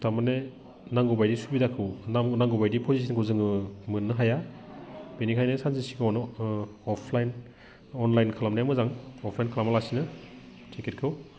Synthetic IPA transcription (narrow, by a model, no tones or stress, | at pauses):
tʰamane | naŋɡubajdisubidakʰɯwnamnaŋɡubajdipʰɔzis̬inkʰɯwzɯŋɯmɯnːɯɦaja | b̥enikʰajnesanzisikʰawn | ɔpʰlajn | ɔnlajnkʰalamnajamɯzaŋɔpʰlajnkʰalamalasinɯ | tʰeket̚kʰɯw